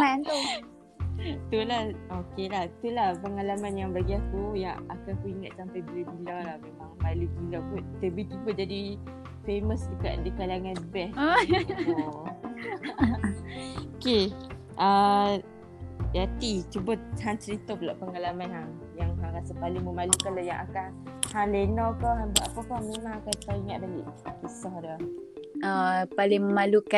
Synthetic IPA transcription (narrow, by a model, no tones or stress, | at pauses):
an | t̪ulahokelaht̪ulahpəŋalamanjaŋbaɡiakujaŋa̰kankuiŋat̪̚sampajbilubilawlahmemaŋmalubilapʊnt̪əbit̪ubət̪̚d͡ʒadi | feməsd͡ʒuka̰ʔdikalaŋanbɛ | oke | ʔə | jat̪it͡ʃubət̪haŋt͡ʃəɾit̪ɔplaʔpəŋalamanhaŋ | jaŋɦaŋɾasapalɪŋməmalukanlajaŋʔakan | halenɔkɔɦãnbaʔapəkɔmemaŋakant̪aiŋaʔ̪̚baliʔkesɔhdaaapalɪŋməmaluka